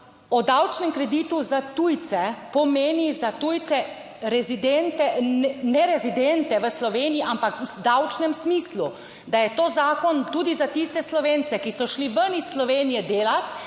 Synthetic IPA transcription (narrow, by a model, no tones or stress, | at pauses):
ɔd̪awt͡ʃnɛmkɾɛd̪iːt̪uzat̪ujt̪sɛpɔmeːnizat̪ujt̪sɛ | ɾɛzid̪ent̪ɛɛnɛɾɛzid̪ent̪ɛʋəslɔʋeːniiʔampakzd̪awt͡ʃnɛmsmiːslu | d̪ajɛt̪oːzaːkɔnt̪uːd̪izat̪ist̪ɛslɔʋent̪sɛkisɔʃliʋənisːlɔʋeːnijɛd̪eːlat̪